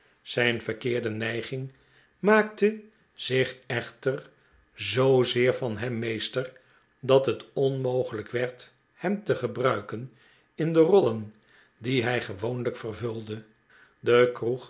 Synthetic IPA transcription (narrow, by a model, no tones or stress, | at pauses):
z̥ɛjnfəʁkɪːɹdənɛjχɪŋ | maːk̚tə | z̥ɪχɛχtər | zowzɪːɹfɑnɦɛmːejstər | dɑtɦətɔnmowχələkʋɛɹt | hɛmt̪əχəbrœɥkən | ɪndərɔlən | diɦɛjχəʋownləkfərvɵlˠdə | dəkruχ